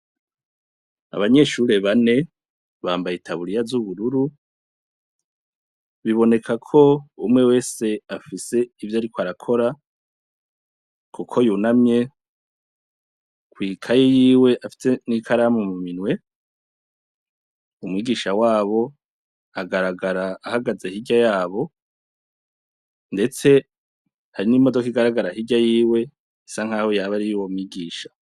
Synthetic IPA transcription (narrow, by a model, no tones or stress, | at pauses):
a̰βaɲe̞ʃuɾe̞βane̞ | βaːmbajetʰaβuɾijazuβuɾuɾu | βiβo̞ne̞kʰakʰo̞umŋe̞we̞ːse̞afise̞ivjaɾikoaɾakʰo̞ɾa | kukʰo̞juːnamɲe̞ | kwiːkʰajejiːwe̞ʔafi̥se̞nikʰaɾamumuminwe̞ | umŋiːɡiʃawaːβo̞ | aɡaɾaɡaɾaːhaɡazehiɟajaːβo̞ | nde̞t͡se̞ | haɾinimo̞do̞kiɡaɾaɡaɾahiɟajiːwe̞ | saŋ̥haːho̞jaβaɾijuwomŋiːɡiːʃḁ